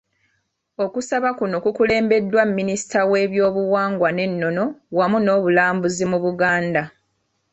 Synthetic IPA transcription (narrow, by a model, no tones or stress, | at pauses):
o̞kusaβakuno̞kukule̞ːmbe̞dːwamːinisi̥tawe̞ːβjo̞ːβuwaːŋɡwane̞nːo̞no̞wamuno̞ːβulaːmbuzimuβuɡaːnda